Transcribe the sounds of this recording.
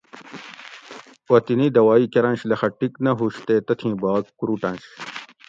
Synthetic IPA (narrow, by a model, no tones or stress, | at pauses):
wɐt̪inid̪ɐwaːiːkɐɾɐ̃nɕlɐxɐʈiknɐɦuːɕt̪eːt̪ɐt̪ʰĩːbaːkkuɾuːʈɐ̃nɕ